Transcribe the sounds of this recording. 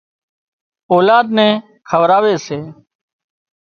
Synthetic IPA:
oːlaːd̪nɛ̃ː | kʰəʋɾaːʋeːseː

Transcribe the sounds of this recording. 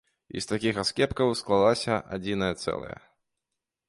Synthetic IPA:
ḭst̪akʲixaskʲɛpkɐwsklˠalˠasʲɐʔa̰d͡zʲinɐjɐt̪sɛ̰lˠɐ̰jɐ̰

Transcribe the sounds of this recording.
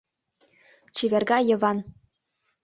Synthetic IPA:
t͡ɕiβʲerɡɑjɤ̆βɑn

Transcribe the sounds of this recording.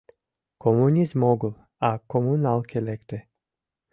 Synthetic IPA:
kʰomunʲizmoɡulˠ | akomunalˠkʰʲelekt̪e

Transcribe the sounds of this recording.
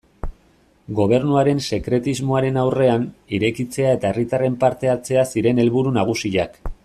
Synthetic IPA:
ɡo̞β̞e̞ɾnuaɾe̞nse̞kɾe̞t̪izmo̞aɾe̞nawre̞aniɾe̞kit͡se̞ae̞t̪ae̞rit̪are̞mpaɾt̪e̞at͡se̞asiɾe̞ne̞lβuɾunaɣ̞usiʎak

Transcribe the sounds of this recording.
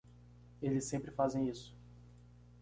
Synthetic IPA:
elɪsːẽmpɾɪfazẽj̃isʊ̥

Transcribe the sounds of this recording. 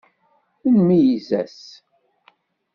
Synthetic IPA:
inmijizæs

